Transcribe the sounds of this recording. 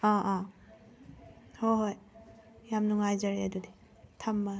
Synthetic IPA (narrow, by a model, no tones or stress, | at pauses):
aa | hɔɦojjamnuŋajzaɾiadude | tʰamːa